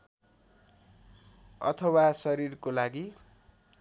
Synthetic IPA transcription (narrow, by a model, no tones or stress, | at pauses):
ʌ̰t̪ʰʌwasʌɾirkolaɡi